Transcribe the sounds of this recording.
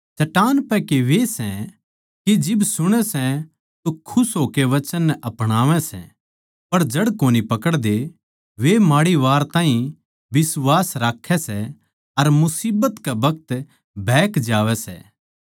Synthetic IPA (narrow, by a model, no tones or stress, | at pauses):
t͡ʃɐʈaːnpɛkeʋesɛ̃ | kid͡ʒɪbsʊɽ̃ɛsɛ̃ | t̪okʰʊsɦoːkeʋɐt͡ʃənːɛʔɐpɽ̃aːʋɛ̃sɛ̰ | pɐɾd͡ʒɐɽkoːnipɐkəɽd̪e | ʋemaːɽiʋaːɾt̪ãːɦĩ | ʋɪsʋaːsɾaːkʰːɛsɛ | ɐɾmʊsiːbət̪kabɐk̚t̪ | bʱɛːkd͡ʒaːʋɛsɛ̰ː